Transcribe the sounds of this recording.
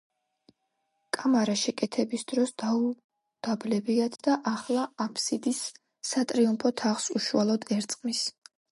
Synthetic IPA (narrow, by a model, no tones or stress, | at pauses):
kʼamaɾaʃɛkʼɛt̪ʰɛbisd̪̥ɾɔsd̪au | d̪̥ablɛbiad̪d̪aʔaχlˠaapʰsid̪isː | at̪ʼɾiumpʰɔt̪ʰaʁsuʃualˠɔd̪ɛɾt̪sʼqʼmis